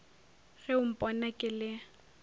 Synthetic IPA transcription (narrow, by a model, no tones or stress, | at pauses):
ɣɛʊm̩pʼɔnakʼɪlɪ